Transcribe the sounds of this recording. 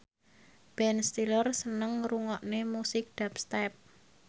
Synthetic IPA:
b̥ɛnst̪ilərsənəŋruŋɔʔnemusɪk̚d̪̥ap̚st̪ɛp̚

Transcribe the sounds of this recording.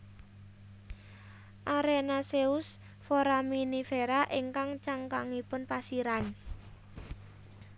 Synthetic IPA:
ʔaɾenaseus | fɔɾaminifeɾaʔiŋkaŋt͡ʃaŋkaŋipʊnpasiɾan

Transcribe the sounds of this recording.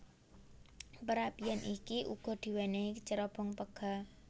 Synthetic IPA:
pəɾapijanʔikiʔṵɡ̥ɔ̤d̪̥i̤wɛneikət͡ʃəɾɔb̥ɔŋpəɡ̥a

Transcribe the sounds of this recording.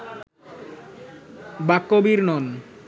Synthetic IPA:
bakːobiɾnɔn

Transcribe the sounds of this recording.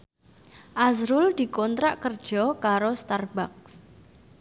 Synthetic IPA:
ʔasɾʊld̪̥i̤kɔnt̪ɾaʔkərd̥ʒ̥ɔkaɾost̪arbak̚s

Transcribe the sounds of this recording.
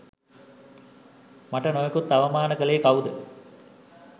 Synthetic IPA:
maʈənojekut̪ːaʋɐmaːnəkəlejkawud̪ə

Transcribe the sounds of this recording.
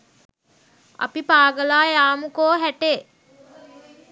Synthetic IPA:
ɐ̰pipaːɡəlaːjaːmukoːɦæʈe

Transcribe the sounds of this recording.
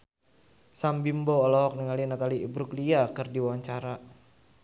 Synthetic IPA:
sambimbɔːlɔɦɔk̚nəŋalinat̪aliibɾukliakɨrdiwaɲt͡ʃaɾa

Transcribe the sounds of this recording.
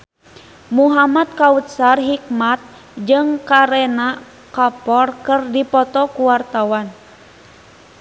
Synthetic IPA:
muɦamat̪̚kaut̪̚sarɦik̚mat̪̚ | d͡ʒɨŋkaɾɛna | kapɔrkɨrdipɔt̪ɔkuwart̪awan

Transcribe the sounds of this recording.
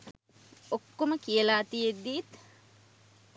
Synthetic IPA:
okːoməkiəlaːt̪ijed̪ːiːt̪

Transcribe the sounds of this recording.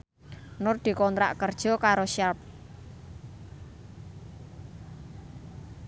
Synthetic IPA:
nʊrd̪̥i̤kɔnt̪ɾa̰ʔkərd̥ʒ̥ɔ̤kaɾoʃap̚

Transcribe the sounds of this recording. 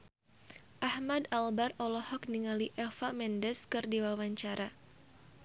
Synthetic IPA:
ʔahmadalbarɔlɔhɔk̚niŋaliʔɛfamɛndɛskɨrdiwawaɲt͡ʃaɾa

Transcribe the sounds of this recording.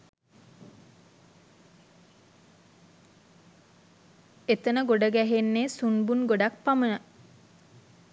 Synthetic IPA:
et̪ənəɡoɖəɡæɦenːeːsunbunɡoɖak̚pamənə

